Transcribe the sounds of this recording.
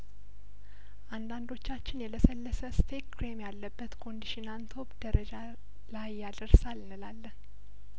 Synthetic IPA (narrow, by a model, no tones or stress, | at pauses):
ʔand̪and̪o̞t͡ʃːat͡ʃːɪnjɛləsəlːəsəst̪ʰekɾemjalːəbːət̪kʰo̞nd̪iʃɪnant̪ʰo̞bd̪̥əɾəd͡ʒa | lajːad̪əɾsalnɨlalːəh